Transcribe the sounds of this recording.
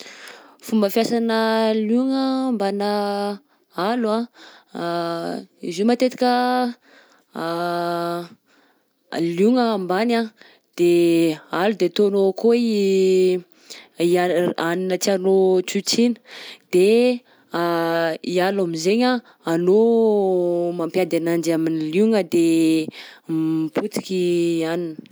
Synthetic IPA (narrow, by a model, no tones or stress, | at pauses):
fumbəfjasanəljuŋəmbanə | alua | ḭzumat̪et̪i̥kʲə | luŋəːmbana | d̪̥ealud̪et̪onokoi | iaaninət͡sianot͡sut͡sinə̥d̪̥e | ialamizeɲa | ano | mampjad̪anand͡ʒaminiluŋəd̪e | mput͡s̪i̥kʲianinə